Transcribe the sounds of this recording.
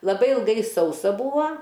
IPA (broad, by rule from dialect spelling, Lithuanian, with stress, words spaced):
lˠɐˈbɐɪ ɪlˠˈɡɐɪ ˈsɐʊsɐ ˈbuːɐ